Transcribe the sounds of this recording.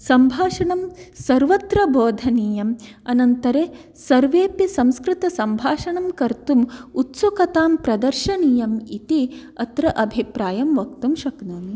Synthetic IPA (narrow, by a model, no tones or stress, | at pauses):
sɐmbʱaːʃɐɳɐmsɐɾʋɐt̪ɾɐboːd̪ʱɐniːjɐm | ɐnɐnt̪ɐɾeː | sɐɾʋeːpisɐmskɾɪt̪ɐsɐmbʱaːʃɐɳɐmkɐɾt̪umut̪sokɐt̪aːmpɾɐd̪ɐɾʃɐniːjɐmit̪iɐt̪ɾɐʔɐbʱipɾaːjɐmʋɐkt̪umʃɐknuːm